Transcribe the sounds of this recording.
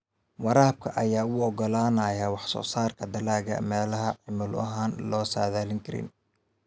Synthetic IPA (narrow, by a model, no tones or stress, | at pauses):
wɑɾaːb̚kʰɐʔɐjaːʊɔɡɔlaːnɐjɐwɑħsɔ̰ːsaːrkʰɐd̪ɐlaːɣɐ̰mɛːlɐɦɐʕɪmʊlɐ̰ɦaːnlɔːsaːðaːlɪŋkʰɐɾɪ̰n